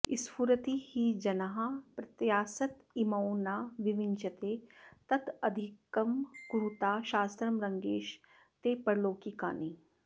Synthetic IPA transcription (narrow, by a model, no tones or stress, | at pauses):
ɪspuɾɐt̪ihid͡ʒɐnɐɦapɾɐt̪jaːsɐt̪ | imɐːnaːʋɪʋɪnt͡ʃɐt̪eːt̪ɐt̪ɐd̪ʱikɐmkuɾut̪aːʃaːst̪ɾɐmɾɐŋɡeːʃ | t̪eːpɐɾloːkika̰ːniː